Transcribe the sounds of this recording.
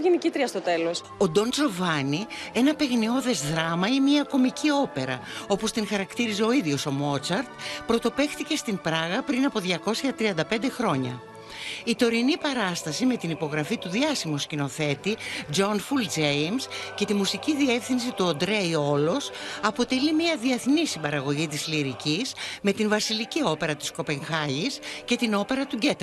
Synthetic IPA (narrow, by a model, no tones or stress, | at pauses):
ʝenicit̪ɾiɐst̪ot̪elos | o̞d̪o̞nzo̞vɐnie̞nɐpe̞ɣnio̞ðe̞zðɾɐmɐimiɐko̞micio̞pe̞ɾɐ̰o̞po̞st̪iŋxɐɾɐkt̪iɾize̞o̞iðʝo̞so̞mo̞t͡sɐɾt̪pɾo̞t̪o̞pe̞xt̪ice̞st̪impɾɐɣɐpɾinɐpo̞ðʝɐko̞sçɐt̪ɾiɐnd̪ɐpe̞nd̪e̞xɾo̞ɲɐ̰ | it̪o̞ɾinipɐɾɐst̪ɐsime̞t̪inipo̞ɣɾɐfit̪uðiɐsimoscino̞θe̞t̪id͡ʒo̞nfuld͡ze̞jmsce̞t̪imusiciðie̞fθinsit̪uond̪ɾeio̞lo̞sɐpo̞t̪elimiɐðie̞θnisimbɐɾɐɣo̞ʝit̪izliɾicisme̞t̪iɱvɐsilicio̞pe̞ɾɐt̪i̥sko̞pe̞ŋxɐʝisce̞t̪ino̞pe̞ɾɐt̪uɟe̞t̪